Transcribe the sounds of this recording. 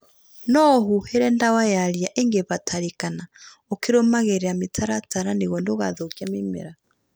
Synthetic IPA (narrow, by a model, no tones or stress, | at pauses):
nɔɦuhɛɾɛndawajaɾiaʔeŋɡeβatʰaɾekana | okeɾomaɣeɾeametʰaɾataɾaneɣɔndoɣaðokiamemɛ̰ɾa